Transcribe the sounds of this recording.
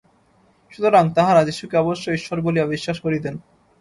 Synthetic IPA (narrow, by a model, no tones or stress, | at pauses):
ʃut̪oɾaŋt̪aɦaɾad͡ʑeʃːukeɔboʃːoiʃːoɾboliabiʃːaʃkoɾid̪en